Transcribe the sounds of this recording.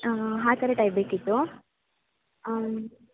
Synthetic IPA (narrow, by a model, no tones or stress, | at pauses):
ɦaːt̪ɐɾeʈaːjbeːkit̪ːu